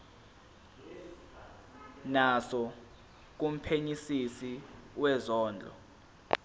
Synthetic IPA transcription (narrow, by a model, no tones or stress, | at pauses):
nasɔ | k̬um̩pʰeɲisisiwɛzɔːnd͡ɮʱɔ̰